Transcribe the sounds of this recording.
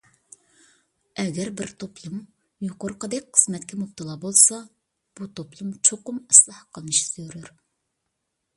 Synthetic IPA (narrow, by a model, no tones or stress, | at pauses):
ɛɡʲɛɾbɪɾt̪ʰopʰlˠum | joqoɾqəd̪ɛk̚ʲqʰːə̥zmɛt̪kʲɛmup̚t̪ɨlˠɑːbolˠsɑ | b̥ut̪ʰoplˠumt͡ʃʰoqʊmɪslˠɑhqʰəlˠnɨʃi̥z̥øɾyɾ